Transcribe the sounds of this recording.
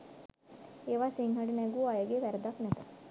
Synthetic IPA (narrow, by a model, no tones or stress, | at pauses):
eːʋaːsiŋɦɐɖinɛɡuːajəɡeːʋæɾɐd̪aknɛt̪ə